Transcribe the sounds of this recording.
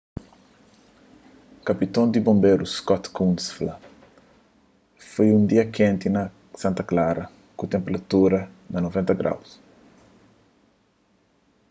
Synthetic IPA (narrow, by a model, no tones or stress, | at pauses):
kɐpit̪õnd̪ibõmbeɾuskɔt̪kũnsflɐ | fojũnd̪iɐkẽnt̪inɐ | sãnt̪ɐklaɾɐ | kut̪ẽmpeɾɐt̪uɾɐ | nɐnovẽnt̪ɐɡɾa̰ws